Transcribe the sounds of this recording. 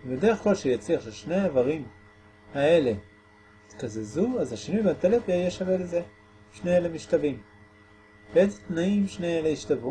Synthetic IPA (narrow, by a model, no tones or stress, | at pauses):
medeeχkolʃejat͡siaχʃeʃne̞jaavaʁim | ae̞le̞ | it̪kazezuazhaʃinujbat̪elefjeʃaveleze | ʃneelemiʃtavim | beezet̪naimʃneeleiʃtavu